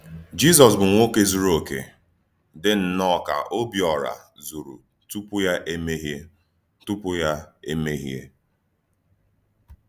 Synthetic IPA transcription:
d͡ʒi˦zɔ˨s̬bʊ˨ŋʷo˦ke˦zu˨ɾo˨kḛ˨ | dɪ˦n̩˨nɔ˦˨ka̰˨ʔo˦bjɔ˨ɾa̰˨ | zu˨ɾṵ˨ | tu˦pʊ˦ja˦ʔe˦me˦ɦje˦ | tu˦pʊ˦ja˦e˦me˦ɦjḛ˦

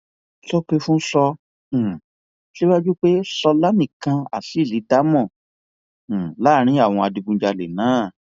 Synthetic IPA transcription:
tɔ˦k͡pe˦fũ˦sɔ̃˧˨ | ʃi˦wa˦d͡ʒu˦k͡pe˦sɔ˧la˦nĩ˦˨kã˧a̰˨si˨˦˨li˨˦da˦mɔ̃˦˨ | la˦ɾ̃ĩ˨˦a˦˨w̃ɔ̃˧a˧di˧ɡũ˧˦d͡ʒa˧le˨nãː˨˦˨

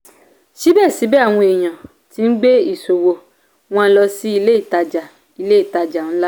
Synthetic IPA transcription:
ʃi˨˦bɛ˦˨si˨˦bɛ˦a˦˨w̃ɔ̃˧e˨j̃ã˨ | ti˦n̩˦ɡ͡be˦i˦˨so˨wo˨ | w̃ɔ̃˦˧n̩˦lɔ˧si˦i˧le˦i˦˨ta˧d͡ʒa˨ | i˧le˦i˦˨ta˧d͡ʒa˨n̩˦la˦

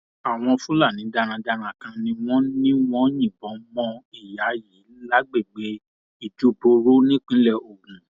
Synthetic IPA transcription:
a˨w̃ɔ̃˧fũ˦la˦˨nĩ˨˦da˧ɾ̃ã˧da˧ɾ̃ã˨kã˧nĩ˧˦w̃ɔ̃˦nĩ˦w̃ɔ̃˦jĩ˦˨bɔ̃˨˦mɔ̃˧˦i˨ja˨˦ji˨˦la˦ɡ͡be˦˨ɡ͡be˨˦ | i˦˨d͡ʒu˦bo˧ɾo˦nĩ˦k͡pĩ˦lɛ˧˨o˨kũ˨

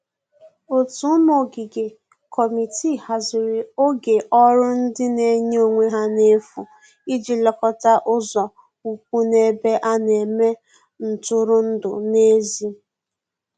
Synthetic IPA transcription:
o˨tu˨˦mo˨ɡɪ˨ɡe˨ | kʰɔ˨mi˨ti˦˨ha˨zɪ˨ɾɪ˨o˦ɡe˨ʔɔ˦ɾʊ˦n̩˦dɪ˦ne˦ɲ˦o˨ŋʷe˦ɦa˦ne˦fṵ˨ | i˦d͡ʒi˨lɔ˨kɔ˦ta˦ʔʊ˦zɔ˨ | u˨k̚ʷu˦ne˦be˦ʔa˦ne˨me˦ | n̩˨tʊ˦ɾʊ˦n̩˦dʊ̰˨ne˦zi˦

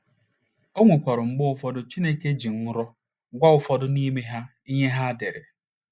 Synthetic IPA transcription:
o˦ŋʷu˨kʷɔ˨ɾʊ˨ŋ͡m̩˦ɡ͡bʊ˦ʊ˨fɔ˦dʊ˦t͡ʃi˦ne˦ke˦d͡ʒi˨ŋ̩˦ɾɔ˦ | ɡʷa˦ʊ˨fɔ˦dʊ˦ni˦me˦ɦa˦ | i˦ɲe˦ɦa˦de˨ɾe˨

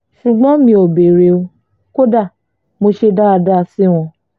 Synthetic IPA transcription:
ʃu˨ɡ͡bɔ̃˦mĩ˧o˨be˨ɾe˨o˧ | ko˦da˦˨ | mo˧ʃe˧da˦a˧da˦˧si˦w̃ɔ̃˧

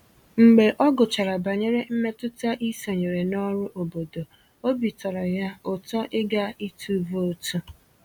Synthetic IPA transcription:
ŋ͡m̩˨ɡ͡be˨ʔɔ˦ɡʊ˨t͡ʃa˨ɾa˨ba˨ɲe˦ɾe˦m̩˦me˦tʊ˦ta˦ʔi˦so˨ɲe˨ɾe˨nɔ˦ɾʊ˦ʔo˨bo˨do˨ | o˦bi˨tɔ˨ɾɔ˨ja˦ʊ˨tɔ˦ʔɪ˦ɡa˦i˦tʰu˦vo˦tu˦

